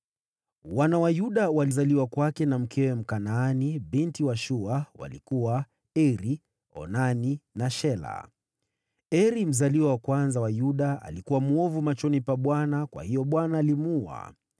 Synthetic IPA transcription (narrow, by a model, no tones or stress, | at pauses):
wanawajuɗawalizaliwakwakɛnam̩kʰɛwɛm̩kanaːniɓintiwaʃuawa̰lḭkuwa | ɛɾi | ɔ̰naninaʃɛla̰ | ɛɾim̩zaliwawakwanzawajuɗaa̰likuwamuɔvumat͡ʃɔnipaɓwanakwa̰hijɔɓwanaːlimua̰